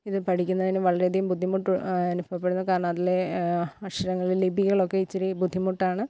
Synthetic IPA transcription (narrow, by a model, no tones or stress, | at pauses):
iðɨpɐʈʰikʲːunːɐðineʋɐɭɐɾeɐd̪ʱijumbud̪ʱːimuʈːuɐnubʱɐpːeɽunːɐkaːɾɳaːt̪ːileɐɕɐɾɐŋːɐɭillibʱiɣɐɭo̞kːe̞it͡ɕːɐɾibud̪ʱːimuʈːaːɳɨ